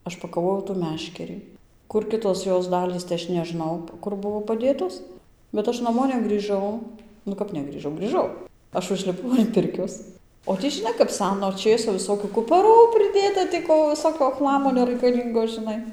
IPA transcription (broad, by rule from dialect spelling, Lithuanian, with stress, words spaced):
ˈɐʃ pɐkɐˈʋoːjɛʊ tuː ˈmʲæːʃʲkʲɛrʲiː ˈkʊr ˈkʲɪtoːs ˈjoːs ˈdɑːlʲiːs tɐɪ ˈɐʃ nʲɛˈʒnɐʊ ˈkʊr ˈbʊʋoː pɐˈdʲeːtoːs bʲɛt ˈɐʃ nɐˈmoː nʲɛɡrʲiːˈʒɐʊ nʊ ˈkɐp nʲɛɡrʲiːˈʒɐʊ ɡrʲiːˈʒɐʊ ˈɐʃ ʊʒʲlʲɪˈpɐʊ ɐn ˈpʲɪrʲkʲoːs oː ˈtʲiː ʒʲɪˈnɐɪ kɐp ˈsʲæːnoː ˈt͡ʃʲeːsoː ʋʲɪsˈsoːkʲʊ kʊpɐˈruː pʲrʲɪˈdʲeːtɐ tʲiː ˈkoː ʋʲɪˈsoːkʲoː ˈxlˠɑːmoː nʲɛrɐɪkɐˈlʲiːŋɡoː ʒʲɪˈnɐɪ